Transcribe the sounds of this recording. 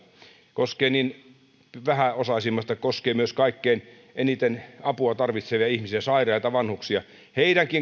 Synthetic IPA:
koskeːnin | ʋæhæosɑsimːɑst̪ɑkoskeːmyøskɑikːein | enit̪enɑpuɑt̪ɑrʋit̪seʋiɑihmisiæsɑirˑɑit̪ɑʋɑnhuksiɑ | heiɾæŋkiŋ

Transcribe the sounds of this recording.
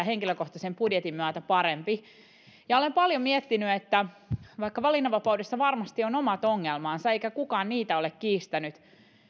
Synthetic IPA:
æheŋkiløko̞ht̪ɑsempudjet̪imːyæt̪æpɑɾempi | jɑolempɑljomiɛt̪ːinyet̪ːæʋɑikːɑʋɑlinːɑʋɑpɑuwdesːɑʋɑrmɑst̪ionomɑt̪oŋːelmɑːnsɑeijkækukɑːnniːt̪æo̞lekkiːst̪ænyt̪

